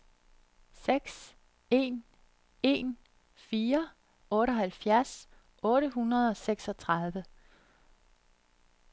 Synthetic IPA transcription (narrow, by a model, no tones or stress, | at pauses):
seɡ̥s | e̝̰ːn | e̝̰ːn | fiːɐ | ɔ̽ːɾəɒ̽ɦælfjæɐ̰s | ɔ̽ːɾəɦunɐð̞̩ˠɒ̽seɡ̥sɒ̽t͡sʰʁɑð̞ˠʋə